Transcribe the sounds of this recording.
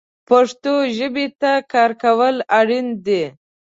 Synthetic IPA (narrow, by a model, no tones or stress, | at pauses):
paʂt̪oʒəbet̪akɑɾkawəlaɽind̪e